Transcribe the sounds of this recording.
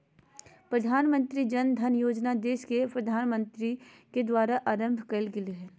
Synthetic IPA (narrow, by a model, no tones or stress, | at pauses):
pɾəd̪ʱaːnmə̃nt̪ɾid͡ʒɐnd̪ʱɐnjoːd͡ʒnad̪eːʃkepɾɐd̪ʱaːnmə̃nt̪ɾi | ked̪waːɾaʔaːɾə̃mbʱkəlɡɪleɦɛː